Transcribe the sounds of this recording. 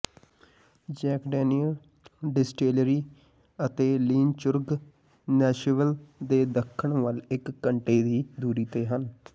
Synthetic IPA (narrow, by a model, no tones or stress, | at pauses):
d͡ʒɛːkɖeːniəl | ɖɪsʈeːlɾiː | ət̪eːliːnt͡ʃʊɾɡ | nɛːʃʋəld̪eːd̪əkʰːəɳʋəlɪkːəɳʈeːd̪iːd̪uːɾiːt̪eːɦən